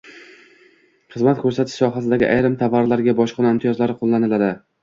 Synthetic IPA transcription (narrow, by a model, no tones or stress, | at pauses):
χɨzmat̪kʰɵɾsat̪ʰɪ̥ʃsɒɦas̬ɪd̪aɡʲɪʔajɾɪmt̪ʰavːaɾlaɾɡʲabɒʃqʰɨnaɪmt̪ʰijɒzlaɾɪqʰolˠːanɪlad̪ɪ